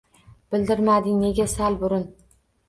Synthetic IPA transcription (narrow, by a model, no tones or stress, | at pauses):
b̥ɪld̪ɪɾmad̪ɪŋne̞ɡʲasalbʊɾʊn